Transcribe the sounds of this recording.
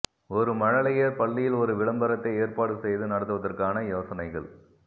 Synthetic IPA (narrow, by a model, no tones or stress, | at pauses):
ɔɾɯmɐɻɐlɐjeːɾpɐɭːɪjɪlɔɾɯʋɪɭɐmbɐɾɐt̪ːɐɪeːrpaːɽɯsɛjðɯnɐɽɐt̪ːɯʋɐðɐrkaːnɐjoːsɐnɐɪɣɐɭ